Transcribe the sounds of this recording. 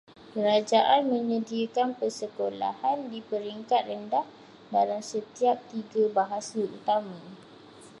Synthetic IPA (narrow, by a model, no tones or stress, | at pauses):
kəɾad͡ʒaʔanmə̃ɲə̃diakanpərsəkola̰handipəɾiŋkat̪̚rəndah | dalamsət̪iap̚t̪iɡabaɦasaut̪amã